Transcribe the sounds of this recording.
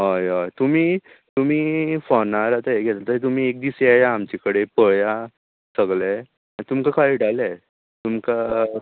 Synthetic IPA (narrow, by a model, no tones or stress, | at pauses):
ɦajat̪um̤iː | t̪um̤iːfɔnaɾat̪aeɡʱɛt̪at̪əɾt̪̬um̤iːek̚d̪iseajaːmt͡ɕekəɽepəja | səɡɭa | ait̪umkakʰaiɖalɛ | t̪umka